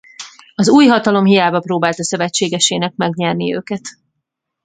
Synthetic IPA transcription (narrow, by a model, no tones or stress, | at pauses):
ɒzuːjɦɒt̪ɒlo̞mɦijaːbɒproːbaːlt̪ɒsøvɛt͡ʃːeːɡɛʃeːnɛk̚mɛɡɲɛrniø̰ːkɛt̪